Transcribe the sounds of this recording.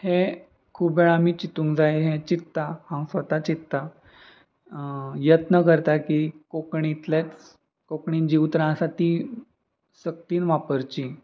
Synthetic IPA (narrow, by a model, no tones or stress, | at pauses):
hẽ | kʰuːbʋeɭamiːt͡ɕit̪ũŋkd͡zajɦẽt͡ɕit̪ːahãwsʋət̪at͡ɕit̪ːa | jət̪nəkəɾt̪akikokɳit̪let͡s | kokɳind͡ʑiwt̪ɾãəsat̪i | sək̚t̪iːnʋapəɾt͡ɕi